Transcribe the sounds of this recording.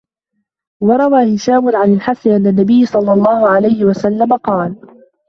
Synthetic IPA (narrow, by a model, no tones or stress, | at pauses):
wɑɾˤɑwaːhɪʃaːmʊnʕanɪlħasɪʔanːanːabɪjːɪsˤɑlːɑlˤːɑːhʊʕalajhɪwasalːamaqɑːl